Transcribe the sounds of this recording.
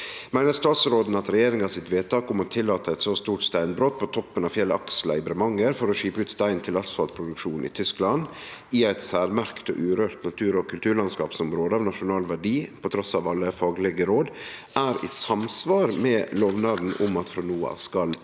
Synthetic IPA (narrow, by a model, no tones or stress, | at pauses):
mæɪnəɾst̪ɑːt̪sɾoːd̪n̩ɑt̪ɾɛjeːɾɪŋɑʋsɪt̪ʋeːt̪ʰɑːkʊmɔt̪ʰɪlːɑːt̪əæɪt̪soːst̪uːʈst̪æɪnbɾoːt̪̚pʰɔt̪ʰɔpːənɑʋfjɛlɑ̰kslɑ̰ɪbɾɛmɑŋːəɾfɔɾɔʂiːpəʉːt̪st̪æɪnt̪ʰɪlɑsfɑlpʰɾʊd̪ʉkʂuːnɪ̰t̪ʰʏsklɑnɪæɪt̪sæːɾmæɾkt̪ɔ̰ʔʉːɾøːɾt̪nɑt̪ʰʉːɾɔkʰʉlt̪ʰʉːɾɭɑnskɑ̰ːpsɔmɾoːd̪əɑːʋnɑʂʊnɑːlʋæɖiːpʰɔt̪ʰɾɔsɑʋɑlːəfɑːɡlɛɡəɾoːd̪ʔæːɾḭsɑmsʋɑːɾmɛːloːʋnɑːd̪n̩ʔʊmɑt̪fɾɑnuːəɑ̰ːʋskɑl